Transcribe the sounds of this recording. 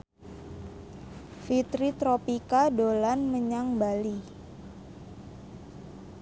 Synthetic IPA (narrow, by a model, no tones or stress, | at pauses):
fit̪ɾit̪ɾopikadolanməɲaŋbali